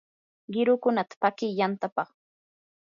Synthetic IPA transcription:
ɢɪɾʊkʊnat̪ḁpakɪjant̪apɑχ

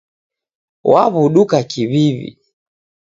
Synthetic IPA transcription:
waβuɗukakiβivḭ

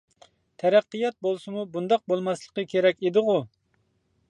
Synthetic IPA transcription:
t̪ʰɛɾæqːəjɑt̪̚bolˠsɨmubund̪ɑq̚bolˠmɑslˠəqəkʲʰeɾɛkʲed̪ɨʁu

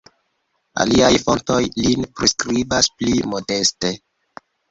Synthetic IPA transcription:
a̰liajfo̞nto̞jlinpɾiskɾibasplimo̞de̞ste

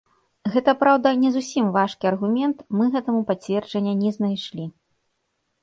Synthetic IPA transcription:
ɣɛt̪ɐpɾawd̪ɐnʲɛzusʲimvaʂkʲiɐrɣumʲɛnt̪mɨɣɛt̪ɐmupat͡sʲvʲɛrd͡ʐɐnʲːɐnʲɛznajʂlʲi

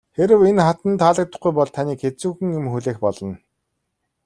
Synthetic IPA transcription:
xeɾɘ̆wenχat̪ə̆nt̪aɮə̆k̚t̪ə̆χɡujpɔɮt̪ʰaniːkxet͡suːxɘ̆ŋɪmxuɮeːxpɔɮɞ̆n

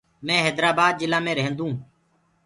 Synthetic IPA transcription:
mɛ̃ːɦeːd̪ɾaːbaːd̪̚d͡ʒɪlãːmẽːɾɛɦə̃nd̪ũː

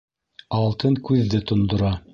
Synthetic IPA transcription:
ɑlˠt̪ɤŋkʉðːɘt̪ŏnd̪ŏɾɑ

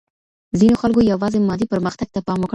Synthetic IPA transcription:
zinoxalkojawɑzemɑd̪ipəɾməxt̪aɡ̚t̪apɑmwək

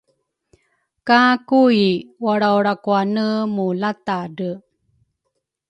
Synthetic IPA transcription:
kakuiwaɽauɾakuanəmulat̪aɖə

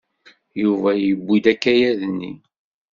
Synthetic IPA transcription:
juvæjəbːid̪ækːæjæðənːḭ

